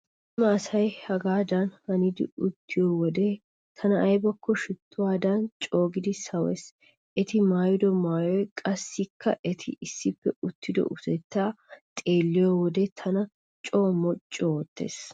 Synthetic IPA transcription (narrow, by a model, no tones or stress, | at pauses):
ɪmɐːsɐjhɐɡaːd̪ɐnhɐnɪd̪ɪ̰ʊt̪ʰːɪjoːwɔd̪eː | t̪ʰɐnɐʔɐjbɐkːɔʃʊt̪ʰːʊwaːd̪ɐnt͡ʃʼo̞ːɡɪd̪ɪsɐwɛ̰s | ʔɛt̪ɪmaːjʊd̪ɔmaːjɔjkʼɐsːɪkʰːɐʔɛt̪ʰɪ̰ɪsːɪpːɛʊt̪ʰːɪd̪ɔ̰ʔʊsɛt̪ːaːt̪ʼe̞ːlːɪjoːwɔd̪et̪ʰɐnɐ | t͡ʃʼo̞ːmɔt͡ʃʼːoɔt̪ːe̞̰ːs